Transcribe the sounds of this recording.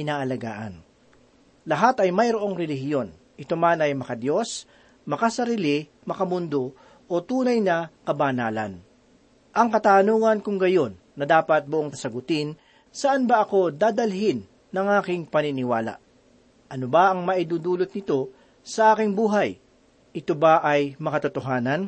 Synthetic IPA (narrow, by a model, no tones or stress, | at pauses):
ɪnaːʔɐlɐɡa̰ːʔɐ̰n | lɐɦat̪ɐjmɐjɾoʔo̞ŋɾɛlɪɦjo̞n | ʔɪt̪omanɐjmɐkɐd̪jo̞s | mɐkɐsɐɾiːlɪ | mɐkɐmʊnd̪o̞ | ʔot̪uːnɐjnɐkɐbaːnaːlɐ̰n | ʔɐŋkɐt̪aːnuːŋɐnkʊŋɡɐjo̞nːɐd̪aːpɐt̪̚bʊʔoŋkɐsɐɡʊt̪ɪn | sɐʔanbɐʔɐko̞d̪aːd̪ɐlɦɪnː | ɐŋʔaːkɪŋpɐnɪnɪwaːla̰ʔ | ʔɐnobaʔɐŋmɐʔɪd̪uːd̪uːlot̪̚nɪt̪o̞ | sɐʔaːkɪŋbuːɦaj | ʔɪt̪obaʔɐjmɐkɐt̪ʊt̪oɦaːnɐn